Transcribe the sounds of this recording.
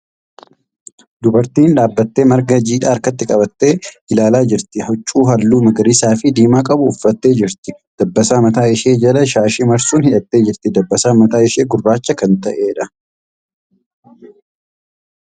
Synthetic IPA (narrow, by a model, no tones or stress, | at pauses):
d̪ʊbɐɾt̪iːnᶑaːbːɐt̪ːe̞ːmɐɾɡɐd͡ʒiːᶑaːɾkɐt̪ːɪkʼɐbɐt̪ːe̞ːhɪlaːlaːd͡ʒɪɾt̪ɪhɔt͡ʃʼːuːɦɐlːuːmɐɡɐɾisaːfɪd̪iːmaːkʼɐbʊʊfːɐt̪ːe̞ːd͡ʒɪɾt̪ɪd̪̥ɐbːɐsaːmɐt̪aːɪʃeːd͡ʒɐlɐʃaːʃɪmɐɾsuːnhɪᶑɐt̪ːe̞ːd͡ʒɪɾt̪ɪd̪ɐbːɐsaːmɐt̪aːɪʃe̞ːɡʊrːaːt͡ʃːɐkɐnt̪ɐʔe̞ːᶑɐ